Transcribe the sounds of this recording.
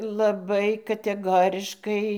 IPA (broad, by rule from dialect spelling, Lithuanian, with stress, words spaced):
lˠɐˈbɐɪ kɐtʲɛˈɡoːrʲɪʃkɐɪ